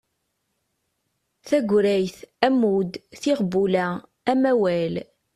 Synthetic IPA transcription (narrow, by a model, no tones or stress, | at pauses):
θæɡʷɾæjθæmud̪θiʁbːulæ | æmæwæl